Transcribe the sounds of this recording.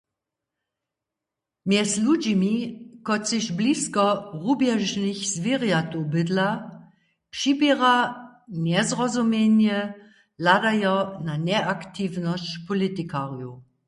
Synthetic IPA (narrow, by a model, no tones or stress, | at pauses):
mjɛslud͡ʑimikɔt͡sɪʃbliskɔʁubjɛʒnixz̥viʁjat̪ubɪd̪la | pʂibiʁanɛzʁɔzumjɛnjɛ | ladajɔnanɛʔakt̪ivnɔst͡ɕpɔlit̪ikaʁju